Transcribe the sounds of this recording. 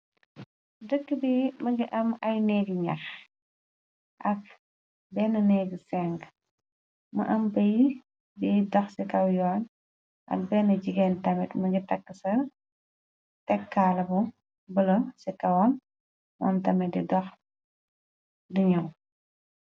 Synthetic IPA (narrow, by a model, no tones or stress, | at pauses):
dəkːəbimɐŋɡiʔɐmɐjnɛːɡiɲɐ̰x | ʔɐk̚ | bɛːnɐnɛːɡəsɛŋɡ | mɐ̰ʔɐmbɐj | bidɔxsikɐwjɔːn | ʔɐ̰k̚bɛːnɐd͡ʒiɡɛːntɐmɛtmɐɡitɐkːəsɐ | tɛkːaːlɐbu | bəlɐsɛkɐwɔn | mɔ̰ntɐmɛdidɔx | diɲɐw